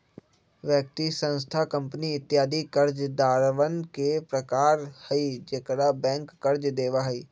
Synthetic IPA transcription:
ʋjək̚t̪isə̃nst̪ʰakə̃mpniɪt̪ːjaːd̪ʱikəɾd͡ʒd̪aːɾʋənkepɾəkaːɾhəid͡ʒekɽabɛ̃ːŋkːɐɾd͡ʒd̪eːʋaɦɐiː

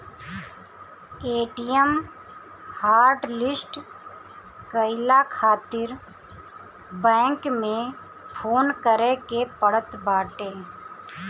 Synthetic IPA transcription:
eːʈijəm | haːɾɖlɪsʈ | kəɪlakʰaːt̪ɪɾ | bɛ̃ːŋkmẽ | pʰoːnkəɾekepəɽət̪baːʈe

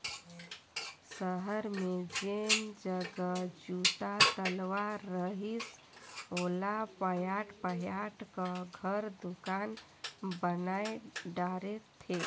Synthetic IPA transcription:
səɦəɾmed͡ʒend͡ʒəɡəd͡ʒut̪at̪əlʋaːəɦis | olapəjaʈpəɦjaʈkəɡʱəɾd̪ukan | bənajɖaɾet̪ʰːe

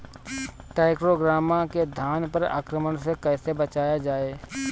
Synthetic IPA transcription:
ʈɛːɪkɾoɡɾaːmãked̪ʱaːnpəɾa̰ːkɾəməɽsekɛːsebət͡ʃaːjad͡ʒaːeː

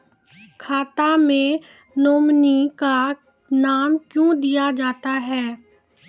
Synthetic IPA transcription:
kʰaːt̪amẽ | noːmnika | naːmkjũd̪ijad͡ʒaːt̪aɦɛː

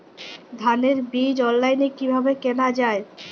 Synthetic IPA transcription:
d̪ʱaneɾbid͡ʑɔlːajnekibʱabekenad͡ʑae

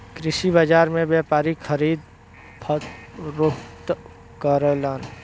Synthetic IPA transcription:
kɾɪsibəd͡ʒaːɾmẽbjapaːɾikʰəɾiːd̪̚ | pʰət̪ɾokt̪ | kəɾəlaːn

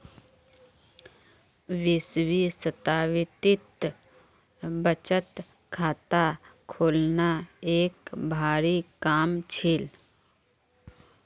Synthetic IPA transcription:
ʋɪswisət̪aːwɪt̪ɪt̪ | bət͡ʃət̪ | kʰaːt̪akʰoːlnaeːkbʱaːɾikaːmt͡ʃʰɪːl

